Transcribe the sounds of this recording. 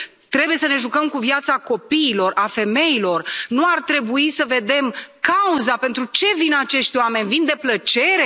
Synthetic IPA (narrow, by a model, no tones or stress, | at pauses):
t̪ɾe̞buje̞səne̞ʒukəmkuvjat̪sako̞piːlo̞rafe̞me̞ilo̞rnuart̪ɾe̞buisəve̞d̪e̞mkauzape̞nt̪ɾut͡ʃe̞vinat͡ʃe̞ʃt̪ʲoame̞nʲvind̪e̞plət͡ʃe̞ɾe̞